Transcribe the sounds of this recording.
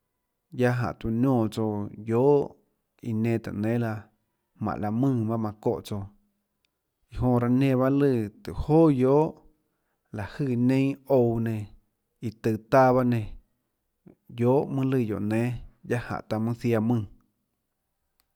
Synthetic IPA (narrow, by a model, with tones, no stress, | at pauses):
ja˦ɦã̰˨ʔt̪u˧˨nʲõː˧˨t͡so˧joː˨˦ʔ | i˧nẽː˧t̪ɨ̰˨nẽː˨˦la˧ | mã̰˨ʔla˧mɨ̃ː˦˧˨ba˦mã˧ko̰˦ʔt͡so˧ | i˨ɦõ˧ɾa˧nẽ˧βa˦lɨ˧˨t̪ɨ˨hoː˦˨joː˦ʔ | la˨hɨː˦˧˨nẽ˦o˧wnẽ˧ | i˧t̪ɨ˧˨t̪a˦˧βa˦nẽ˧˨ | joː˨˦ʔmɨ̃˦lɨ˧˨jo̰˨ʔnẽː˨˦ja˦hã̰˨ʔt̪a˧mɨ̃˦θja˧mɨ̃ː˦˧˨